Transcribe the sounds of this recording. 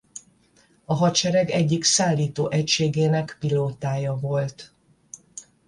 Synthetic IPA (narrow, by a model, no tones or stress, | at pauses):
ɒɦɒt͡ʃɛɾɛɡɛɟːiksaːlːiːt̪oːʔɛcʃeːɡeːnɛkpiloːt̪aːjɒvo̞lt̪